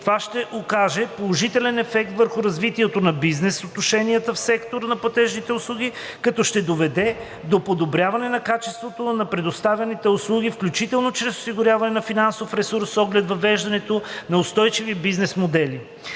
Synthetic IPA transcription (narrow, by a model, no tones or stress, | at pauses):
t̪ovaʃt̪ɛʔokaʒɛpolˠoʒit̪ɛlɛnɛfɛk̚t̪vəɾxʊɾɐzvit̪iɛt̪onɐbiznɛsot̪noʃɛniət̪əfsɛkt̪oɾənɐplˠɐt̪ɛʒnit̪ɛʊslˠuɡ̟ʲi | kɐt̪ɔʃt̪ɛd̪ovɛd̪ɛ | d̪opod̪obɾʲavɐnɛnɐkat͡ʃɛst̪vot̪onɐpɾɛd̪ost̪avʲɐnit̪ɛʊslˠuɡifklʲut͡ʃit̪ɛlˠnot͡ʃɾɛsʊ̥siɡʊɾjavɐnɛnɐfinansofɾɛsuɾsːɔɡlɛd̪vɐvɛʒd̪ɐnɛt̪onɐʊst̪ɔjt͡ʃivibiznɛsmod̪ɛli